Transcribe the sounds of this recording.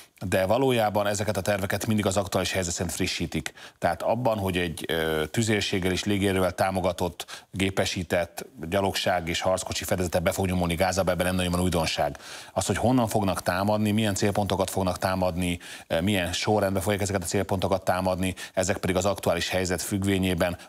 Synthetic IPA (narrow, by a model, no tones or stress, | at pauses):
d̪ɛvɒloːjaːbɒnɛzɛkɛt̪ɒt̪ɛrvɛkɛt̪mind̪iɡɒzɒkt̪uaːliʃhɛjzɛt̪sɛint̪friʃːiːt̪ikt̪ɛɦaːt̪ɒbːɒnɦo̞ɟɛɟt̪yzeːlʃeːɡːɛleːʃleːɡeːɾøːvɛlt̪aːmo̞ɡɒt̪o̞t̪ːɡeːpɛʃiːt̪ɛt̪ːɟɒlo̞kʃaːɡeːʃhɒrt̪sko̞t͡ʃifɛd̪ɛzɛt̪ɛbɛfo̞ɡɲomulniɡaːzɒbɛbɛnɛmnɒɟomːɔnuːjd̪o̞nʃaːɡɒsho̞cho̞nːɒɱfo̞ɡnɒkt̪aːmɒd̪nimijɛnt̪seːlpo̞nt̪o̞kɒt̪fo̞ɡnɒkt̪aːmɒd̪nimijɛnʃo̞rɛnd̪bɛfo̞ɡjaːkɛzɛkɛt̪ɒ̥seːlpo̞nt̪o̞kɒt̪ːaːmɒd̪niɛzɛk̚pɛd̪iɡɒzɒkt̪uaːliʃhɛjzɛt̪fyɡʋeːɲeːbɛn